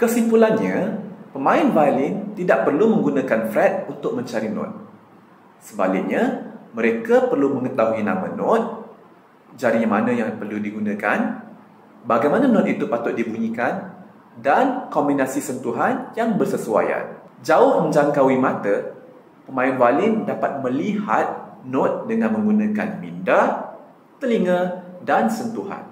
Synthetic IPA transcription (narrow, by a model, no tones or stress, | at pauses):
kəsifulanɲãpəmãɪnvalɪnt̪idaʔ̚pərlumə̃ŋɡunãkanfɾɛt̪̚unt̪ʊk̚mə̃ɲt͡ʃaɾinɔ̰̃t̪̚ | səba̰lɪk̚ɲaməɾekapərlumə̃ŋət̪aɦuina̰mə̰̃nɔt̪̚ | d͡ʒaɾiamanãjaŋpərludiɡunãka̰n | baɡajmãnanɔ̃t̪̚it̪upat̪ʊt̪̚dibuɲĩkan | dankɔmbinasisənt̪uɦanjaŋbərsəsua̰ja̰n | d͡ʒaʊhmə̃ɲd͡ʒaŋkawimãt̪ə | pəmãɪnvalɪndapat̪̚mə̃liha̰t̪̚nɔt̪̚dəŋãnmə̃ŋɡunãka̰nminda | t̪əliŋə̃dansənt̪uɦa̰n